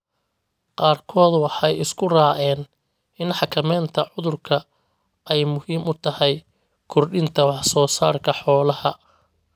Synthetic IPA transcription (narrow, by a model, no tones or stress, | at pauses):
qɑːrkʰɔːd̪wɑħɑjɪskʰʊraːʔɛːn | ɪnħɑkʰɐmɛːnt̪ʰɐʕʊðʊrkʰɐ | ɛjmʊhiːmʊt̪ʰɐhɛj | kʰɔrɗɪnt̪ʰɐwɑħsɔːsaːrkʰɐħɔːlɐhɐ